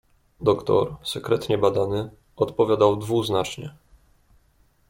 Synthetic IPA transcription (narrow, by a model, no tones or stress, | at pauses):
d̪ɔkt̪ɔ̰ɾsɛkɾɛt̪ɲɛbad̪anɘ | ɔt̪pɔvʲjad̪awd̪vuznat͡ʂɲɛ